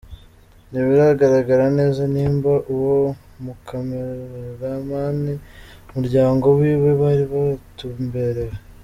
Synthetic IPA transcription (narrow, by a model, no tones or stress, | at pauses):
niβiɾaɡaɾaɡaɾane̞ːzaniːmbaʔuwo | mukʰameɾeɾamaːnimuɾɟaːŋɡo̞βwiːβe̞βaːɾiβatumbe̞ɾeɾa